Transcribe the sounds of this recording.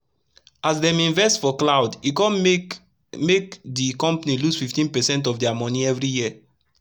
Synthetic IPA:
ʔasdɛ̃mĩnvɛstfɔklaʊdikɔ̃n | mekdikɔ̃mpanilusfiftĩnpɛsɛ̃ntɔfdɛamɔ̃nĩɛvɹiji

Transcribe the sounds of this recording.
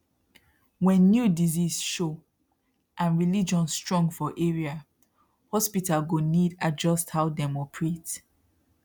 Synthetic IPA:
wɛ̃nːjudizizʃo | ʔãnɹilid͡ʒɔ̃nstɹɔ̃ŋɡfɔʔeɹia | hɔspitalɡonidad͡ʒɔsthaʊdɛmɔkʰɹet

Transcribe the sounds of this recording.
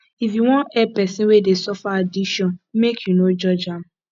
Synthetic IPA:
ifjuwɔ̃nɛpɛsĩnwedesɔfaadiʃɔ̃nmekʰjunod͡ʒɔd͡ʒã

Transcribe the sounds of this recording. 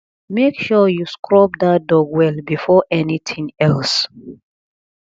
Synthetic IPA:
mekʃɔjuskʰɹɔp̚dat̚dɔɡwɛlbifɔʔɛniθʰĩŋɛls

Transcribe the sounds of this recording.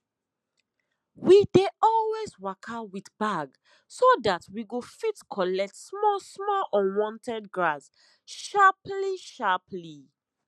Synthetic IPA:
wideɔlweswakʰawitbaɡ | sodatwiɡofitkʰɔlɛk̚tsmɔsmɔlɔ̃nwɔ̃ntʰɛd̚ɡɹas | ʃapliʃapʰli

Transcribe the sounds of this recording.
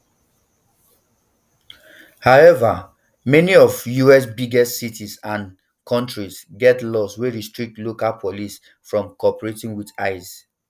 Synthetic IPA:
haɛva | mɛniɔvjuɛs̬biɡɛstsitʰisãn | kʰɔ̃ntɹisɡɛtlɔsweɹistɹik̚tlokalpʰɔlis | fɹɔ̃mkɔpəɹetĩŋwidaɪs

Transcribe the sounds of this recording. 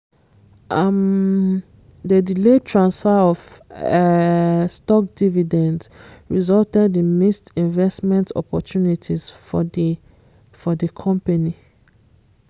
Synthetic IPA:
am | dədiletʰɹãnsfɛɔv | stɔk̚dividɛ̃ndsɹizɔltɛdĩnmistĩnvɛstmɛ̃ntɔ̰pɔ̰tʰjunitʰiz̥f | fɔdəkʰɔ̃mpani

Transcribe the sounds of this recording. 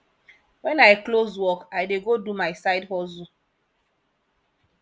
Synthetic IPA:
wɛ̃naɪklozwɔkaɪdeɡodumaɪsaɪdɦɔzu

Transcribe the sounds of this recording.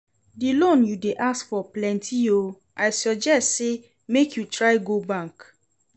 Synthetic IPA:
dilõnjudeʔaskfɔplɛ̃ntʰio | ʔaɪsɔd͡ʒɛstse | mekʰjutɹaɪɡobãŋk

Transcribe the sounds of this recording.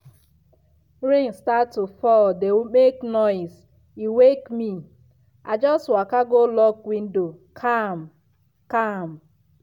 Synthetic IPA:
ɾĩŋstatːufɔldewumeknɔɪs | iwekmi | ʔad͡ʒɔstwakaɡolɔkwin̩do | kʰam̩ | kam̩

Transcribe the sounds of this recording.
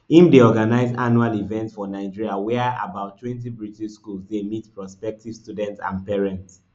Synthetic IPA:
ĩmdeɔɡanaɪza̰nualivɛ̃ntsfɔnaɪd͡ʒiɹiawɛa̰baʊtʰːwɛ̃nt̬ibɹitiʃskulsdemitpɹɔspɛk̚tiv̥studɛ̃ntã̰npɛɹɛ̃nts

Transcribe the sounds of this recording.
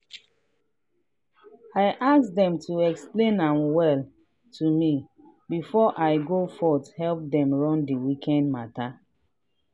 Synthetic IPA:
aɪʔassdɛ̃mtʰuɛksplẽnãnwɛl | tʰumi | bifɔʔaɪɡofɔthɛlp̚dɛ̃mɹɔ̃ndiwikʰɛ̃ndmata

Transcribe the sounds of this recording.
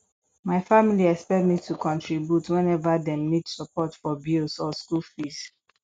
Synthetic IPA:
maɪfamiliɛspɛtmitʰukʰɔ̃ntʰɹibjutwɛ̃nɛvadɛ̃mnidsəpʰɔtfɔbilsɔskulfis

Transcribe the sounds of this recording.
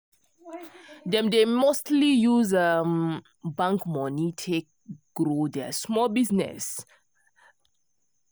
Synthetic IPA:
dɛ̃mdemostlijuzam | bãŋkmɔnitʰek̚ɡ̥ɾodɛsmɔlbiznɛ̰s

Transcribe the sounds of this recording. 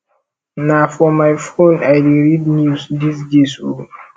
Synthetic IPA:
nafɔmajfõnajdiɹidnjusdisdeso

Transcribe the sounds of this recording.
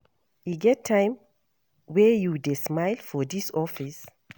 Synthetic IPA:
jiɡɛtʰːãɪ̃m | wɛjudesmaɪlfɔdisɔfis

